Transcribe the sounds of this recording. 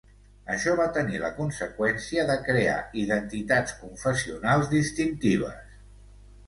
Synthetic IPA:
əʃɔβat̪ənilə̰kunsəkwɛnsiəðəkɾea̰iðənt̪it̪at͡skuɱfəsiunalˠzðist̪int̪iβ̞ə̰s

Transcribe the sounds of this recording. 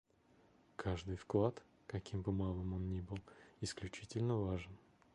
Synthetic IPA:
kʰaʐd̪ɨjfklˠat̪ | kɐkʲimbɨmalˠɨmo̞nnʲibɨlˠɪsklʲʉt͡ɕitʲɪlʲnəvaʐɨn

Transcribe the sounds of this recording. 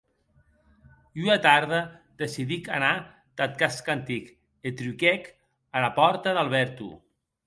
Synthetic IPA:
uat̪aɾðəd̪esiðika̰na | t̪at̪̚kaskant̪ik | et̪ɾykɛk | alapɔɾt̪aðalˠβɛɾt̪ṵ

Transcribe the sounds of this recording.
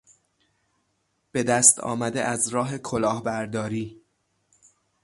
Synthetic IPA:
b̥e̞d̪æst̪ʰɒ̰ːmæd̪ḛʔæzɾɒːɦe̞kʰolɒːhbæɾd̪ɒːɾiː

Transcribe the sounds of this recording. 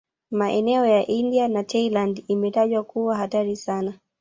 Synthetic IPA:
maʔɛnɛɔjaʔindianatʰɛilandimɛtaʄwakuwaɦataɾisana

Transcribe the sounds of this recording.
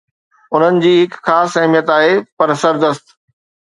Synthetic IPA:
ʊn̤ənɪ̆d͡ʑiːɦɪkxaːsɐɦmijət̪aːɦepɐɾsɐɾd̪əst̪

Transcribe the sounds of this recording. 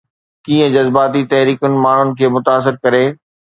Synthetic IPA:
kĩːə̃d͡ʑɐzbaːt̪it̪ɐɦɾiːkʊnɪ̆maːɳ̤ʊnɪ̆kʰeːmʊt̪aːs̬ɪɾkɐɾeː

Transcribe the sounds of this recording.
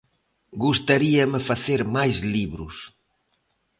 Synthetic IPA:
ɡust̪aɾiɐmefaθeɾmajzliβɾʊs

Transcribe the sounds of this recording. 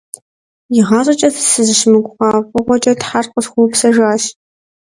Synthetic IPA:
jɪʁɑːɕʼɐt͡ʃʼɐθsɨzɨʃmɨɡʷʼʊʁɑːfʼɨʁʷɔt͡ʃʼɐtħarqʼəsxʷuːpsɐʒʷaːʃ

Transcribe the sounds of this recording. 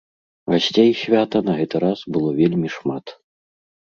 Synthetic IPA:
vasʲt͡sʲejsʲvʲat̪ɐnɐɣɛt̪ɨɾasbɨlˠɔvʲelʲmʲiʂmat̪

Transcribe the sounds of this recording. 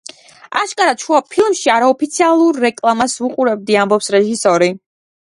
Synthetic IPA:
aʃkʼaɾaʃʰuapʰilˠmʃiaɾaɔpʰit̪sʰialˠuɾːɛkʼlˠamasvuqʼuɾɛb̚d̪iambɔpsɾɛʒisɔɾi

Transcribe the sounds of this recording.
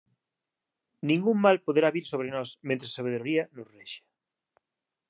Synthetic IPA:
nĩŋɡuŋmalpoðeɾaβiɾsoβɾenɔsmẽnt̪ɾesaβeðɾoɾiɐnʊsreʃḁ

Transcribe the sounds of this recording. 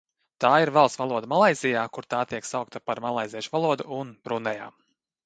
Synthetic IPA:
t̪aːiɾvalˠssvalˠuɔd̪amalˠajzʲijaːkuɾt̪aːt̪iɛksawk̚t̪apaɾmalˠajzʲiɛʃvalˠuɔd̪uunbɾunɛjaː

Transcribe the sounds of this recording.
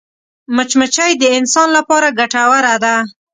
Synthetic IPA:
mət͡ʃmət͡ʃajd̪əɪnsɑnlapɑɾaɡaʈawaɾad̪a

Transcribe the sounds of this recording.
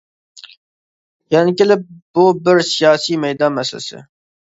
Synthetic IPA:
jankɪləboːbəɾsijɑːsimejd̪aːmɐsə̰sə̰

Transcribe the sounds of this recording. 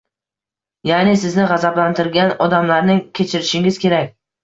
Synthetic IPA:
janɪsɪznɪʁɑzablant̪ʰɪɾɡʲanɒd̪amlaɾnɪŋkʲʰe̞t͡ʃʰɪɾɪʃɪŋɪzkʲʰe̞ɾakʲ

